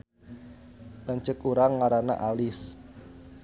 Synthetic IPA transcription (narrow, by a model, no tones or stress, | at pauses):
laɲt͡ʃəkuɾaŋaɾana̰ʔalɪs